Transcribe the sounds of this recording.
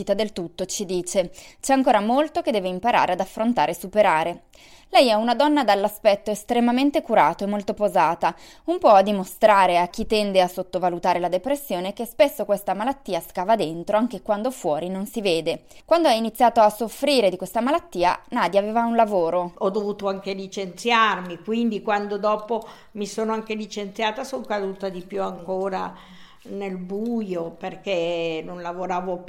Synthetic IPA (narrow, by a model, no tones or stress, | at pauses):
it̪ad̪elt̪ut̪ːot͡ʃid̪iːt͡ʃet͡ʃɛaŋkoːɾamolt̪ok̟ed̪ɛveimpaɾa̰ːɾead̪afːɾont̪aːɾesupeɾaːɾe | lɛjɛunad̪ɔnːad̪alːaspɛt̪ːoest̪ɾemament̪ekuɾaːt̪oemːolt̪opozaːt̪a | umpɔad̪ːimost̪ɾaːɾeak̟ːit̪ːɛnd̪easot̪ːovalut̪aːɾelad̪epɾesːjoːnekespesːokwest̪amalat̪ːiːaskaːvad̪ent̪ɾoaŋk̟ekwand̪ofwɔːɾinonsiveːd̪ekwand̪oainit̪sːjaːt̪oasːofɾiːɾed̪ikwest̪amalat̪ːiːa̰naːd̪iaveːvaunlavoːɾoɔd̪ːovuːt̪oaŋkelit͡ʃent̪sjarmikwind̪ikwand̪od̪ɔːpo | misoːnoaŋkelit͡ʃent̪sjaːt̪asoŋkad̪uːt̪ad̪ipjuaŋkoːɾa | nelbujoperkenonlavoɾaːvo